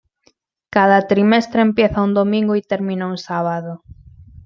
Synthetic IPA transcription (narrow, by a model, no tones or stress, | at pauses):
kaðɐt̪ɾimɛst̪ɾempjeθɐund̪omĩŋɡʊit̪eɾmĩnauŋsaβaðʊ